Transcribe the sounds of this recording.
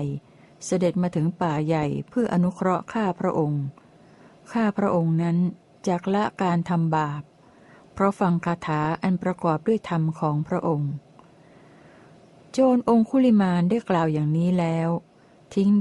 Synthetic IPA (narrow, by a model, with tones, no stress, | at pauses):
j | sa˧de˨˩t̪̚maː˧t̪ʰɯ˩˦ŋpaː˨˩ja˨˩jpʰɯ˥˩ɐʔa˧nu˦˥kʰɾɔ˦˥ʔkʰaː˥˩pʰɾa˦˥ʔo˧ŋ | kʰaː˥˩pʰɾa˦˥ʔo˧ŋna˦˥n | t͡ɕaː˨˩k̚la˦˥ʔkaː˧nt̪ʰa˧mbaː˨˩p̚ʰː | ɾɔ˦˥fa˧ŋkʰaː˧t̪ʰaː˩˦ʔa˧npɾa˧kɔː˨˩p̚du˥˩əjt̪ʰa˧mkʰɔː˩˦ŋpʰɾa˦˥ʔo˧ŋ | t͡ɕoː˧nʔo˧ŋkʰuː˥˩li˧˩maː˧ndaː˥˩jklaː˨˩wjaː˨˩ŋniː˦˥lɛː˦˥w | t̪ʰi˦˥ŋ